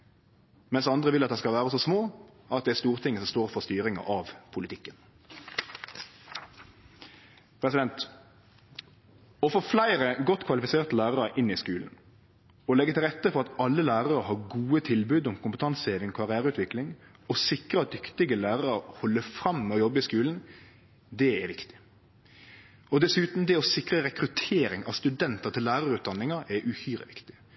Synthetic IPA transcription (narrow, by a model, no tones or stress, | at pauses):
mɛnsɑnd̪ʁəʋɪlɑt̪̚d̪æɪskɑlʋæːʁəsɔsmoː | ɑt̪̚d̪ɛæst̪uːʁt̪ʰɪŋːəsɔmst̪oːʁɾfɔst̪yːɾɪŋɑ̰ʔɑʋpʰʊlɪt̪ʰɪkːən | pʰɾɛsɪd̪ɛnt̪ | ɔfoːflæɪɾəɡɔt̪ːkʰʋɑlɪfɪseːʁt̪əlæːʁɑɾəʔɪnɪskʉːln̩ | ɔlɛɡːət̪ʰɪlʁɛt̪ːəfɔɾɑt̪ɑlːəlæːɾɑɾəɦɑɾɡuːət̪ʰɪlbʉːd̪ɔmkʰʊmpət̪ʰɑnsheːʋɪŋkʰɑɾɪæːɾəʉːt̪ʰʋɪklɪŋ | ɔsɪkɾəɑt̪̚d̪ʏkt̪ɪɡəlæːɾɑɾəhɔlːəfɾɑmːɛɔjɔbːəɪskʉːln̩ | d̪ɛɛɾʋɪkt̪ɪ̥ | ɔd̪ɛsʉːt̪n̩d̪ɛɔsɪkʁəɾɛkɾʉt̪ʰeːɾɪŋɑ̰ʋst̪ʉd̪ɛnt̪ət̪ʰɪlːæːɾɑɾʉːt̪̚d̪ɑnːɪŋəɾɛʔʉhyːɾə̰ʋɪkt̪ɪ̥